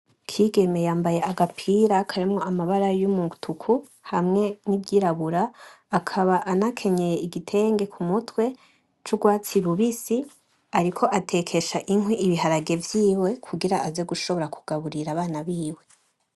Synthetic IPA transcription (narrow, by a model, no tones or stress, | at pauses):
kʰiːɡe̞me̞jaːmbaje̞aɡapʰiːɾakʰaɾemŋo̞amaβaɾajumuutʰukʰu | hamŋe̞nibɟiɾaβuɾaː | kʰaβaʔanakʰe̞ɲe̞jeiɡitʰe̞ːŋɡe̞kʰumutwe̞ | t͡ʃuɡwaːt͡siɾuβisi | aɾikʰo̞ʔatʰe̞kʰe̞ʃaʔiŋɦwiʔiβiɦaɾaɡe̞vjiːwe̞kʰuɡiɾaʔazeɡuʃoβo̞ɾakʰu̥ɡ̥aβuɾiɾaβaːnaβiːwe̞